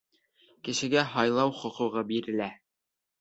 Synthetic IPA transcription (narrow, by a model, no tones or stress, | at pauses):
kɘ̆ʃɘ̆ɡæɦɑjlˠɑwχŏqŭʁɤbiɾɘ̆læ